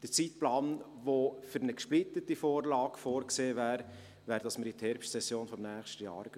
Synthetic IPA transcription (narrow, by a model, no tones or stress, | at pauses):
d̥ət͡sit̪plɑːn | ʋofʏɾnəkʃplit̪ətifoːɾlɑːɡ̥foːɾkseːvæːɾ | væːɾdɑsməɾit̪hɛɾpʃtsɛsjoːnfɔmnæːχʃtəjɑ̰ːɾ